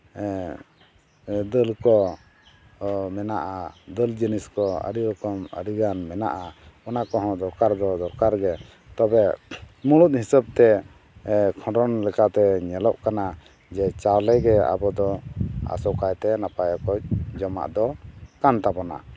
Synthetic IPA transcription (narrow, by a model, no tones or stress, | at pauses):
d̪əlkɔ | mɛnaʔad̪əld͡ʒiniskɔə̰ɽiɾɔkɔmə̰ɾiɡanmɛna̰ʔaɔnakɔɦɔ̃d̪ɔɾkaɾd̪ɔd̪ɔɾkaɾɡɛ | t̪ɔbɛmuɽut̪̚ˀhisab̚t̪ɛ | kʰɔ̃ɖɔnlɛkat̪ɛɲɛlɔʔkana | d͡ʒɛt͡ʃawlɛɡɛa̰bɔd̪ɔa̰sɔkajt̪ɛnapajakɔc̚d͡ʒɔma̰ʔd̪ɔkant̪abɔna̰